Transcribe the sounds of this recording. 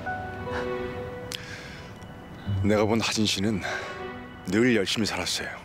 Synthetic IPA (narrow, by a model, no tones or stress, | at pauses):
ne̞ɡabonhad͡ʑinɕʰinɯnː | ɯɭjʌɭɕ͈imisʰaɾas͈ʌjo